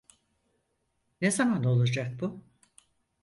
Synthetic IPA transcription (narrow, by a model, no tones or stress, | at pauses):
nezamano̞lˠad͡ʒak̚bu